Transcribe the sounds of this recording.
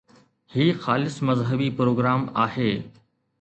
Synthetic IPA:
hiːxaːlɪsmɐzɦəbipɾoːɡɾaːmaːheː

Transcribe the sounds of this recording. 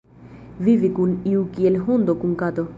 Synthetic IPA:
vivikuniukielɦʊnd̪ɔkuŋkat̪ɔ

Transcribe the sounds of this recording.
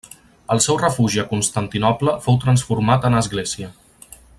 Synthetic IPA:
əlˠsɛwrəfuʒiəkunst̪ənt̪inɔpləfowt̪ɾənsfuɾmat̪ənəzɣlɛziə

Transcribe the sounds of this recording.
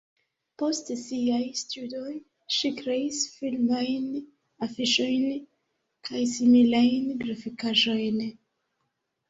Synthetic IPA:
po̞stsiajstudoj | ʃikɾeisfilmajn | afiʃo̞jn | kʰajsimilajnɡɾafikaʒo̞jn

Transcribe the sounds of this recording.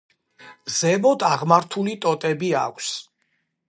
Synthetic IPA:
zɛmɔd̪aʁmaɾt̪ʰulit̪ʼɔt̪ʼɛbia̰kʷʰs

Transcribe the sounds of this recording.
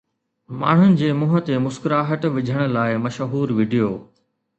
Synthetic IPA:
ma̰ːɳ̤ʊnɪ̆d͡ʑeːmʊɦət̪emʊskɾaːɦəʈʋɪd͡ʑʱəɽ̃ʊ̆laːɪmɐʃɦuːɾʋiːɖijoː

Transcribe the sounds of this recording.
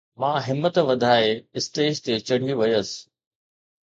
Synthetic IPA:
mãːɦɪmːət̪ʋɐd̪ʱaːeɪst̪eːʃt̪et͡ɕɐɽ̤̃ijuʋɐjəsɪ̥̆

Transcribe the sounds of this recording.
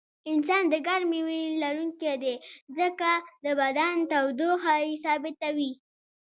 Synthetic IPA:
ɪnsɑnd̪əɡaɾmewelaɾuŋked̪ezəkad̪əbad̪ant̪awd̪oxajsɑbɪt̪awi

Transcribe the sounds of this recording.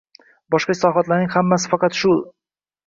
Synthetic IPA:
bɒʃqɑsɒvat̪laɾnɪŋʲhamːasɪ̥fɑqɑt̪ʃʊlˠ

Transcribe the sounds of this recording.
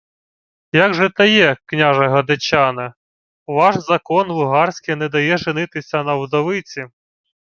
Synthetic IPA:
jaɡʒɛt̪ɐjɛknʲaʒɐɦɐd̪ɐt͡ɕanɐ | ʋɑʃzɐkɔnlˠʊɦɑrsʲkɪnɛd̪ɐjɛʒɪnɪt̪ɪsʲɐnɐwd̪ɔʋɪt͡sʲi

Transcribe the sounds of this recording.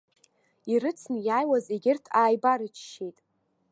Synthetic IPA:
iɾɨt͡sʰnjaːjwazeɡʲɪrtʰaːjbaɾɨt͡ʃʰʃejtʼ

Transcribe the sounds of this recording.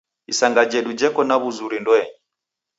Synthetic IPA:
isaŋɡad͡ʒɛdud͡ʒɛkɔnaβuzuɾindɔɛɲɛ

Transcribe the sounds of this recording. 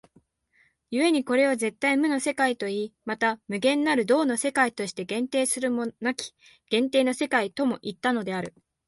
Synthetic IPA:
jɯ̟e̞ɲ̟iko̞ɾe̞oze̞t̪ːaimɯ̟nose̞kait̪o̞iːmat̪amɯ̟ɡẽ̞nːaɾɯ̟d̪o̞ːno̞se̞kait̪o̞ɕi̥t̪e̞ɡẽ̞nt̪e̞ːsɨɾɯ̟monakʲi̥ | ɡ̥ẽ̞nt̪e̞ːno̞se̞kait̪o̞mo̞ʔit̪ːano̞d̪e̞aɾɯ̟

